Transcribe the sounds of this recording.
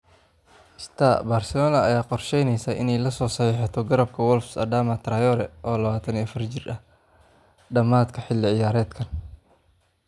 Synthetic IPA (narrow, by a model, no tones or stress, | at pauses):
ɪst̪ʰaːbaːrsɛlɔːnɐɐjaːqɔrʃɛjnɛjsaːʔɪnɛjlɐsɔːsɐħiːħɑt̪ʰɔɡɐɾɐb̚kʰɐwɔlfsɐ̰d̪aːmɐt̪ʰɾɐjɔːɾɛʔɔːlɐβaːt̪ʰɐniɐfɐrt͡ʃɪrɐ | ɖɐmaːd̪kʰɐħɪlːɪʕɪjaːɾɛːd̪kʰɐn